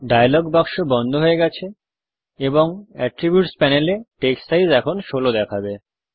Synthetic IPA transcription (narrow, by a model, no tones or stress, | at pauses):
ɖajalɔɡbakʃobɔnd̪ʱoɦoeɡɛt͡ɕʰe | eboŋɛʈɾibjuʈspɛneleʈeksajzɛkʰonʃolod̪ɛkʰabe